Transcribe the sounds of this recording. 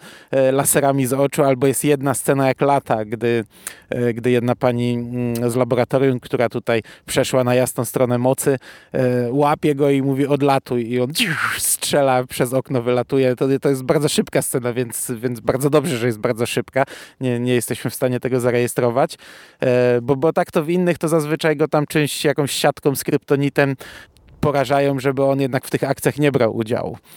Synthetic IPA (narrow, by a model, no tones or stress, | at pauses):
lasɛɾamʲizɔt͡ʂualbɔjɛst̪jɛd̪nast̪sɛnajaklat̪aɡd̪ɘ | ɡd̪ɘjɛd̪napaɲizlabɔɾat̪ɔɾʲjumkt̪uɾat̪ut̪ajpʂɛʂwanajasnɔ̃w̃st̪ɾɔnɛmɔt̪sɘ | wapʲjɛɡɔimuvʲjiɔd̪lat̪ujiɔnd͡ʑiʂstʂɛlapʂɛzɔknɔvɘlat̪ujɛt̪ɔt̪ɔjɛst̪baɾd̪zɔʂɘpkast̪sɛnavʲjɛnt̪svʲjɛnd̪zbaɾd̪zɔd̪ɔbʐɛʐɛjɛst̪̚baɾd̪zɔʂɘpkaɲɛɲɛjɛst̪ɛɕmɘfst̪aɲɛt̪ɛɡɔzaɾɛjɛst̪ɾɔvat͡ɕ | bɔbɔt̪akt̪ɔvinːɘxt̪ɔzazvɘt͡ʂajɡɔt̪amt͡ʂɛ̃ɕt͡ɕjakɔ̃w̃ɕːat̪kɔ̃w̃skɾɘpt̪ɔɲit̪ɛm | pɔɾaʐajɔ̃w̃ʐɛbɘɔnjɛd̪nakft̪ɘxak̚t̪sʲjaxɲɛbɾawʔṵd͡ʑa̰w̰